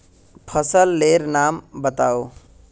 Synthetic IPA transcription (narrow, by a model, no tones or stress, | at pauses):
pʰəsəlːeɾnaːmbət̪ao